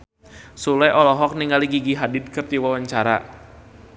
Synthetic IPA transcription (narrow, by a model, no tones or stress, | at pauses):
sulɛjʔɔlɔɦɔk̚niŋaliɡiɡiɦadɪd̪̚kɨrd̪iwawaɲt͡ʃaɾa̰